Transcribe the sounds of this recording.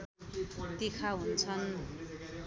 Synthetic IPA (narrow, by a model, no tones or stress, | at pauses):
t̪ikʰaɦunt͡sʰʌn